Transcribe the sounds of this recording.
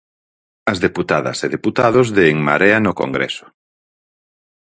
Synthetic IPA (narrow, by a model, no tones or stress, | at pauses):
ɐzðeput̪aðɐ̰seðeput̪aðʊzðeːŋmaɾɛanoko̰ŋɡɾɛ̰sʊ̥